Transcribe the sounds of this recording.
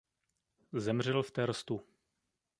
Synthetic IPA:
zɛmr̝ɛlft̪ɛɾst̪u

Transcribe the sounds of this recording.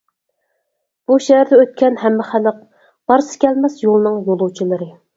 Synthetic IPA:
b̥uʃɛɦæɾd̪ɛøt̪̚kʲʰɛnɦæmːɪχæləq̚ | b̥ɑɾsɨ̥kʲɛlmɛsjolˠɨnɨŋjolˠuwt͡ʃʰilˠɨɾɨ

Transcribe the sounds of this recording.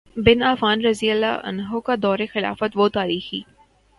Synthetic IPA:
bɪnaːfaːnɾɐziəlːa̰ʔɐ̰nɦokad̪ɔːɾexɪla̰ːfət̪ʋot̪aːɾiːxiː

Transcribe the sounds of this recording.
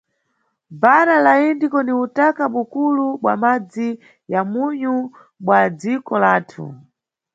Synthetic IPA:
baɾalaindikɔniutakaɓukuluɓwamad͡zi | jamuɲu | ɓwad͡zikɔlaːtʰṵ

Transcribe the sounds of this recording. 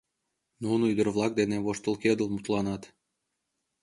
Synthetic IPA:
nunoyd̪ərβlˠɑk̚d̪eneβoʃt̪əlˠked̪əlmut̪lˠɑnɑt̪

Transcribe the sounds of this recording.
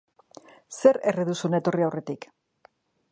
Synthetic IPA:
se̞ɾeriðusunet̪o̞riawre̞t̪ik

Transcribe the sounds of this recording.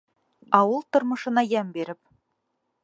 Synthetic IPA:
ɑwɤlˠt̪ŏɾmɤ̆ʃɤ̆nɑjæmbiɾɘp̚

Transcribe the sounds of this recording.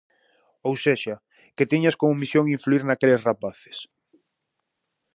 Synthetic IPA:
owseʃa | ket̪iɲaskomʊmisjoŋiɱfluiɾnakelesrapaθe̥s

